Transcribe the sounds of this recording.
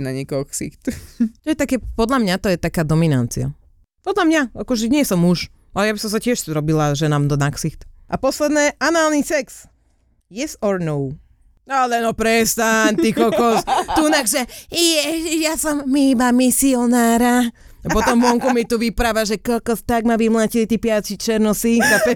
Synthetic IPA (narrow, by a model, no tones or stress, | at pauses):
naɲɛkɔksḭxt̪t̪ɔjɛt̪akɛːpɔd̪lamɲat̪ɔjɛt̪akaːd̪ɔmina̰nt͡sia̰ | pɔd̪lamɲaakɔʒɛɲɪɛsɔmːuʃ | ʔalɛjabisɔms̬acɪɛʃɾɔbilaʒɛnaːmd̪ɔnaksixt̪ʔapɔslɛd̪nɛʔanʊaːlnisɛks | jɛsɔɾnɔw | alɛnɔpɾɛst̪aɲt̪ikɔkɔst̪unaxʒɛjɛjasɔmːibamisiɔnaːɾa | apɔɔmʋɔŋkumit̪uʋipɾaʋaʒɛkɔlkɔst̪aɡmaʋimlacilit̪iːpɪat͡sit͡ʃɛɾnɔsikapɛ